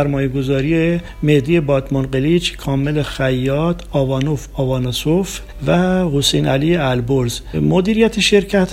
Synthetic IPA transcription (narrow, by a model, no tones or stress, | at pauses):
æɾmɒːjeɡo̞zɒːɾije | med̪iːje̞bɒːd̪monɢelid͡ʒkʰɒːmelexæjːɒːd̪ɒːvɒːnofɒːvɒːnɑsof | væhosejnælieælboɾzmod̪iːɾijæt̪ʰeʃe̞ɾcʰæt̪ʰ